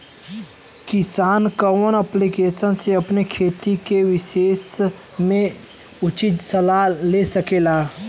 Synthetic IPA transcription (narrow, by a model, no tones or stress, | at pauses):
kɪsaːnkəʋənəplikeːsənseəpnekʰeːt̪ikeʋɪʃeːs | mẽ | ʊt͡ʃɪt̪səlalesəkeːlaː